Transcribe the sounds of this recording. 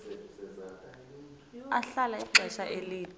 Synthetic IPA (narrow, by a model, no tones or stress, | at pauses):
aɬalaiǁʱɛʃaʔeliːni